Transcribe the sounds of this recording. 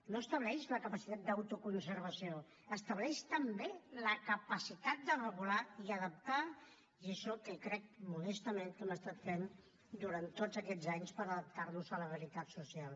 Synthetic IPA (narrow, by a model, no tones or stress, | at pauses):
noəst̪əβlɛʃləkəpəsit̪at̪̚d̪əwt̪ukunsəɾβəsio | əst̪əβlɛʃt̪əmbeləkəpəsit̪at̪̚d̪ərəβulaiəðəp̚t̪a | iəʃɔkəkɾɛk̚mulɛst̪əmẽnkɛməst̪at̪fen | d̪uɾant̪ːod͡zəkɛd͡zaɲspəɾəðəp̚t̪arnuzələβəɾit̪at̪susialˠ